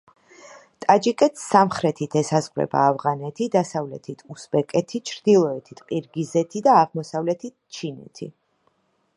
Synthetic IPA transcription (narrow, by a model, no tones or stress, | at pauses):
t̪ʼad͡ʒikʼɛt̪ʰsamχɾɛt̪ʰit̪ʰɛsazʁɾɛ̰ba̰ːvʁanɛt̪ʰid̪asavlɛt̪ʰit̪ʰusbɛkʼɛt̪ʰit͡ʃʰɾd̪ilˠɔɛt̪ʰit̪ʼqʼiɾɡizɛt̪ʰid̪aːʁmɔsavlɛt̪ʰit̪̚t͡ʃʰinɛ̰t̪ʰi